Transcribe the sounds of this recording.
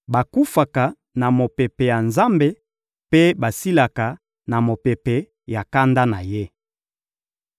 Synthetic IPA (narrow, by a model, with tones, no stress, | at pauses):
ba˨ku˦fa˨ka˨ | na˨mo˨pe˨pe˨ja˨nza˦mbe˦ | pe˦ba˨si˦la˨ka˨ | na˨mo˨pe˨pe˨ | ja˨ka˦nda˦na˨je˦